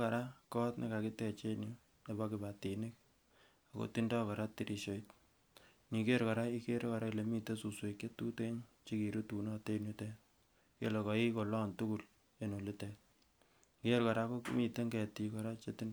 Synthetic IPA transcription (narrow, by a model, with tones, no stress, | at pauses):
ka˨ɾa˦kɔ˦tnḭ˦ka˨ki˦te˦˨t͡ʃe˦nu˦ | ne˨ba˦kɪ˨ba˨ti˨nɪ˦k̚ | a˨ko̰˨ti˦ndɔ˦ka˨ɾa˦ti˨ɾʔi˨ʃo˨it | ni˨ke˦ɾka˨ɾa˦i˦ke˦ɾka˨ɾa˦kile˨mi˦te˦su˨swe˨kje˦tu˦te˦ɲt͡ʃi˦ki˨ɾu˦tu˨nɔ˦te˦nu˦te˦ | kḛ˦lɔ˨kɔ˨i˦ko˨lɔ˦ntu˦ku˦l | e˦no˨li˦tɛ˨t | ke˦ɾka˨ɾa˦ko˦ki˦mi˨te˦ŋɡɛ˨ti˨kɔ˨ɾa˦t͡ʃe˦ti˦n